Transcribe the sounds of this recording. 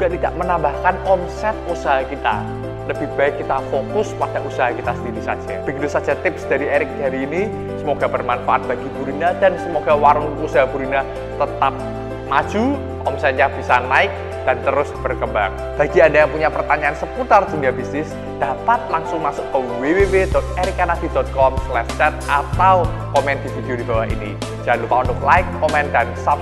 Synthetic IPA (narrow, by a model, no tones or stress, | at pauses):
d͡ʒuɡ̥aʔt̪ida̰ʔmənambahkanɔmsɛt̪̚usaɦakit̪a̰ | ləb̥ihb̥aɪkːit̪afokʊswat̪ɛʔusaɦakit̪asənd̪iɾisḁd͡ʒ̥ab̥əɡit̪usḁd͡ʒat̪ɪpsd̥aɾieɾɪk̚daɾiːni | səmoɡabərmanfaʔat̪̚b̥aɡib̥uɾinad̥ansəmoɡawaɾʊnusaɦabuɾina | t̪ət̪ap̚ | mḁd͡ʒ̥u | ʔɔmsaɲab̥isanaɪk̚ | d̥ant̪əɾʊsb̥ərkəmbaŋ | b̥aɡiadajaŋpuɲapərt̪aɲaansəput̪ard̥̪uniabisnɪs | d̥apat̪̚laŋsʊŋmasʊkːəwewewedɔt̪̚eɾɪkanad̪̥idɔt̪̚kɔmslɛʃt͡ʃɛt̪̚ʔat̪aw | kɔmɛnd̪̥ifid̥ijodibawaɦḭni̥d͡ʒanlupaund̪ʊk̚laɪkːɔmɛndansap